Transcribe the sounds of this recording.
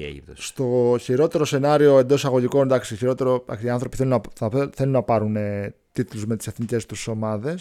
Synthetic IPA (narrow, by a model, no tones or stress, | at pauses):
st̪o̞çiɾo̞t̪e̞ɾo̞se̞nɐɾio̞e̞nd̪o̞sɐɣo̞ʝiko̞nd̪ɐksiçiɾo̞t̪e̞ɾo̞d̪ɐ̰ksiɐnθɾo̞piθelunɐɐθe̞lunːɐpɐɾunet̪it̪luzme̞t̪i̥se̞θnice̞st̪uso̞mɐðe̞s